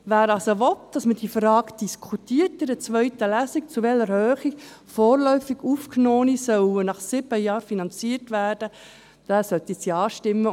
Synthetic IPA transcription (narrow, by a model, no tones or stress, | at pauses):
ʋæːɾɑlsoʋɔtd̥ɑsmədiːfɾɑːkd̥iskʰutiːərtɪɾət͡sʋœʏtəlæːsik̚t͡suʋɛləɾhøːχik | fɔːɾlœʏfiɡuːfknoːnisœwənɑχsɪbəjɑːɾfinɑnt͡siəɾtʋæːrd̥ə | d̥æːsœt̪isiɑːʃtɪmːə